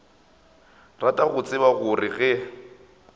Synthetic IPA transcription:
ratʼaɣʊt͡sʼɪbaɣʊrɪɣɛ

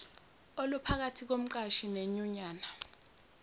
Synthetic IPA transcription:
olupʰak̬atʰik̬om̩ǃaʃineɲuɲaːna

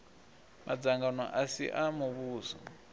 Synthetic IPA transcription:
mʔad͡zaŋɡanɔ̰ʔasḭʔamuβuːzɔ̰

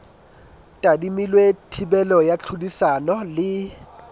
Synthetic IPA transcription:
tʼadimilwetʰibɛlɔjat͡ɬʰudisanɔlɪ

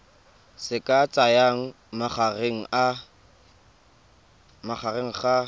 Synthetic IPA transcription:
sɪkʼat͡sʼajaŋ̩ | maχareŋ̩ʔa | maχareŋ̩χa

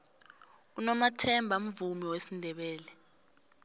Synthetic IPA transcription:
unɔmatʰɛmbʱam̩vumiwesindʱɛɓɛːlɛ

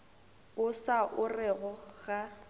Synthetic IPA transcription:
ʊsaʔʊrɛɣɔɣ̥a

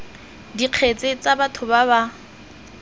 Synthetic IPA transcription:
diq͡χʰet͡sʼet͡sʼabatʰʊbaba

